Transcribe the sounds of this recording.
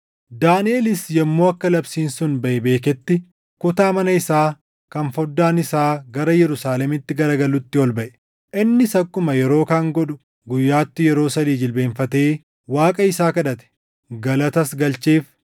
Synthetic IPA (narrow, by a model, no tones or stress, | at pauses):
d̪aːnɪeːlɪsjɛmːo̞ːɐkːɐlɐbsiːnsʊnbɐʔɛbe̞ːkɛt̪ːɪ | kʊt̪aːmɐnɐɪsaː | kɐnfɔd̪ːaːnɪsaːɡɐɾɐjɛɾʊsaːlɛmɪt̪ːɪɡɐɾɐɡɐlːʊt̪ːɪɔlbɐʔɛ̥ | ʔɪnːɪsɐkːʊmɐjɛɾo̞ːkaːŋɡɔᶑʊ̥ | ɡʊjːaːt̪ːɪjɛɾo̞ːsɐd̪iːd͡ʒɪlbe̞ːnfɐt̪e̞ː | waːkʼɐɪsaːkɐᶑɐt̪ɛ̥ | ɡɐlɐt̪ɐsɡɐlt͡ʃeːf